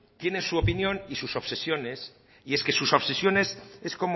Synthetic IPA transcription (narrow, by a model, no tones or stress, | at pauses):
t̪je̞ne̞nsuopinjõ̞nisuso̞βse̞sjo̞ne̞s | ie̞ske̞suso̞βse̞sjo̞ne̞se̞sko̞m